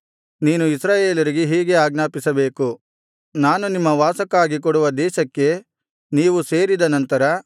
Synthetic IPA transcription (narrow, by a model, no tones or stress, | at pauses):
niːnuisɾaːje̞ːlɐɾiɡeɦiːɡe̞aːɡnaːpisɐbe̞ːku | naːnunimːɐʋaːsɐkaːɡik̬ɔɽuʋɐd̪ɛːʃɐkːe̞ | niːʋuse̞ːɾid̪ɐnɐnt̪ɐɾɐ